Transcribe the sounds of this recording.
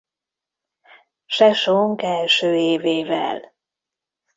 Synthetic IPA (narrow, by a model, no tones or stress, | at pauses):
ʃɛʃoŋkɛlʃøːeːveːvɛ̰l